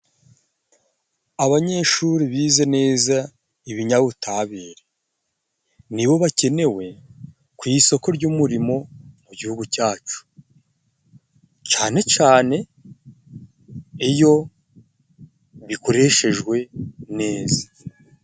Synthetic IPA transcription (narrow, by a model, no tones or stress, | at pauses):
aβaɲe̞ːʃuɾiβiːze̞ne̞ːza | iβiɲaβutaːβiːɾe | niβo̞βace̞ne̞we̞ | kwiːso̞ko̞ɾɟuːmuɾimo̞muɟihuɡucaːt͡ʃu̥ | t͡ʃaːne̞t͡ʃaːne̞ | ijo̞ | βiko̞ɾe̞ʃe̞ʒɡwe̞ne̞ːzḁ